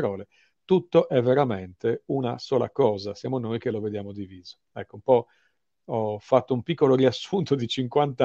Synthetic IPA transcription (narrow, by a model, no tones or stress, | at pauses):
ɾɔːle | t̪ut̪ːoʔɛvːeɾament̪eunasɔːla̰kɔːzasjaːmonojk̟eloved̪jaːmod̪iviːzo̥ | ɛkːoumpɔ | ɔfat̪ːoumpikːoloɾiasːunt̪od̪it͡ʃiŋkwant̪